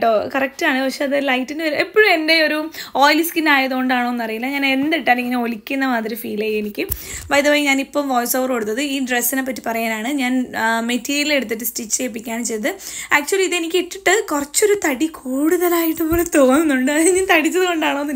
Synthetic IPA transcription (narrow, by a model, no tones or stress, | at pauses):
ʈːokɐrɐk̚ʈɨaːɳɨpɐkʂeɐðɨlɐjtːinɨʋɐɾuepːoɻumende̞o̞ɾuoːjliskinaːjɐðɨkoɳɖaːɳoːenːɐrijilːɐɲɐːneend̪iʈːaːniŋːɐneo̞likʲːunːɐmaːd̪ɾiufiːleːjenikʲːɨbɐjðɐpoːjiɲaːnipːo̞ːmʋoːjsoːʋɐreɽut̪ːɐðɨiːɖresːinepːɐtːipɐrɐjaːnaːɳɨɲaːnmetːiːɾijɐle̞ɽut̪ːiʈːɨstit͡ɕːeːp̬ːikʲːaːɳɨt͡ɕejnɐðɨaːk̚t͡ɕuɐliðɨenikʲːiʈːiʈːɨkurɐt͡ɕːo̞ɾut̪ɐɽikʰuːɽuðɐlaːjiʈːupːoːlet̪o̞ːnːunːuɳɖɨɐiɲaːnt̪ɐɽit͡ɕːɐðɨko̞ɳɖaːɳonː